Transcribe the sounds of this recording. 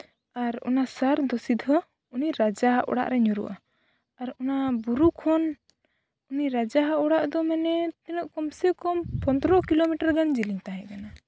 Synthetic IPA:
aɾɔ̰nasaɾd̪ɔsid̪ʱɦɔ | uniɾad͡ʒaɦaʔɔ̰ɽa̰ʔɾɛɲɔɾṵʔa̰ː | ɾɔnabuɾukʰɔn | uniɾad͡ʒaɦaʔɔɽaʔd̪ɔmɛnɛt̪ɛnɔʔkɔmsɛkɔmpɔnd̪ɾɔkilomiʈaɾɡand͡ʒiliɲt̪aɦɛ̃kana

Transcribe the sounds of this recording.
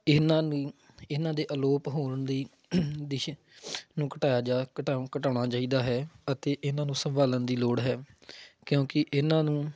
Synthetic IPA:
ɪnãːniː | ɪnãːd̪eːʔəloːpɦoːnd̪iː | d̪ɪʃ | nũːkəʈaːjaːd͡ʒakəʈakəʈaːɽ̃aːt͡ʃaːiːd̪aːɦɛːət̪eːʔɪnãːnũːsəmbaːlənd̪iːloːɽɦɛːkjõːkɪʔɪnãːnũː

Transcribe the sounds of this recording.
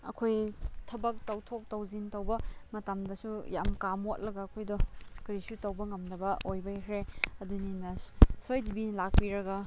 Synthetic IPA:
ɐ̰kʰojtʰɐbɐk̚tɐwtʰok̚tɐwzintɐwbɐmɐtamdɐsujamkamot̚lɐɡɐːkʰojdɔkɐɾisutɐwbɐŋɐmnɐbɐojbɐjkʰɾeɐduninɐsojdibilak̚piɾɐɡɐ

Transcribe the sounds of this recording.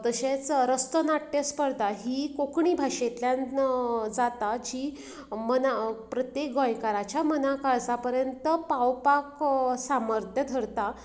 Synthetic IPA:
t̪əɕẽt͡sɾəst̪ənaʈːjəspəɾd̪aɦiːkokɳiːbʱaʂet̪ljãnd͡zat̪ad͡ʑiː | mənapɾət̪jek̚ɡɔ̃jkaɾat͡ɕjamənakaɭsapəɾjənt̪əpawpaksaməɾt̪ʰjəd̪ʱəɾt̪a

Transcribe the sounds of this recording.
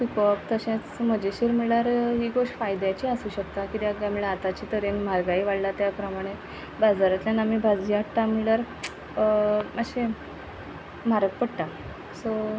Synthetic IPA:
ʈikɔpt̪əɕẽt͡sm̤əd͡ʑeɕiːɾmiɭaɾɦiːɡoʂʈfajd̪jat͡ɕiəsuːɕəkt̪akit̪iəɡljamiɭeat̪at͡ɕiːt̪əɾenmaɾɡaiʋaɽlat̪japɾəmaɽ̃e | bad͡zaɾat̪ljanamibʱad͡zd͡ʑiaʈt̪amiɭaɾ | maɕe | m̤aɾək̚pəɽʈ̪a | so

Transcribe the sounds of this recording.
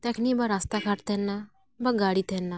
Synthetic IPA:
t̪ɛkʰnibaɾast̪akʰaːʈt̪enːa | bɐɡaːɽit̪ʰenːa

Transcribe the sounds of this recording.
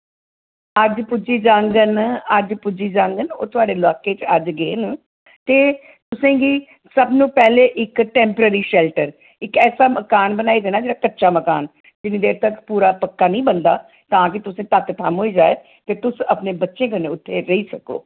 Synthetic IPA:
əd͡ʒpʊd͡ʒiːd͡ʒãːŋɡənəd͡ʒpʊd͡ʒiːd͡ʒãːŋɡəno̰ːt̪ʊaːɖeːlaːkeːt͡ʃəd͡ʒɡeːn | t̪eː | t̪ʊsẽːɡiː | səbnũːpɛːleːʔɪkʈɛ̃ːmpəɾəɾiːʃɛːlʈəɾ | ɪkɛːsaːməkaːnbənaːid̪eːnaːd͡ʒeːɽaːkətːʃaːməkaːn | d͡ʒɪnĩd̪eːɾt̪əkpuːɾaːpəkːaːnəĩːbənd̪aː | t̪ãːk̬ɪt̪ʊsẽːt̪at̪t̪ʰəmɦoːiːd͡ʒaːeː | t̪eːt̪ʊsəpneːbətːʃẽːkəneːʊt̪ʰːeːɾəiːsəko̰ː

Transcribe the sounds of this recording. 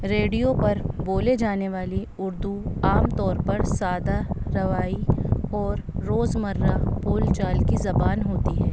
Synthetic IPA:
ɾeːɖijopɐɾboːled͡ʒaːneʋaːli | ʊɾd̪uaːmt̪ɔːɾpɐɾsaːd̪aɾɐʋaːiɔːɾːoːzmɐɾːapoːlt͡ʃaːlkizɐbaːnɦoːt̪iɦɛː

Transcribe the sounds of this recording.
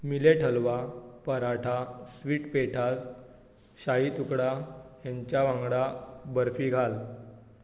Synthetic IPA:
mileʈʰəlʋapəɾaʈʰasʋiːʈpeʈʰad͡z | ɕaɦiːt̪ukɽaɦjãɲt͡ɕjaʋãŋɡɽabəɾfiːɡʱal

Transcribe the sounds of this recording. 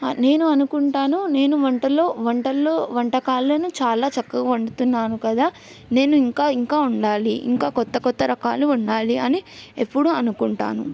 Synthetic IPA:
ne̞ːnuɐnukuɳʈaːnune̞ːnuʋɐɳʈɐlo̞ːʋɐɳʈɐlːoːʋɐɳʈɐkaːlːoːnut͡ʃaːlaːt͡ʃɐkːɐɡaʋɐɳɖut̪unːaːnukɐd̪aː | ne̞ːnuiŋkaːiŋkaːuɳɖaːliḭŋkaːkɔt̪ːɐkɔt̪ːɐɾɐka̰ːluːɳɖaːliɐniepːuɽuɐnukuɳʈa̰ːnṵ

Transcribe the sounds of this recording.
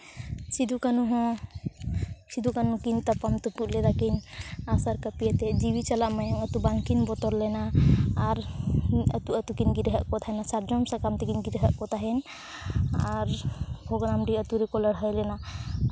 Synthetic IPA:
sid̪ʱukanuɦɔ̃ | sid̪ukanukint̪apamt̪ɔpuʔ̪̚lɛɾakinasaɾkapijat̪ɛd͡ʒibit͡ʃalaʔmajaŋət̪ubaŋkinbɔt̪ɔɾlɛnaː | ɾ | ə̰t̪uʔət̪ukinɡiɾəɦəʔkɔt̪ʰaɦɛnasaɾd͡ʒɔmsakamt̪ɛkinɡiɾəɦaʔkɔt̪ʰaɦɛn | aɾbʰʱɔɡɾamɖiət̪uɾɛkɔlaɽɦəjlɛna

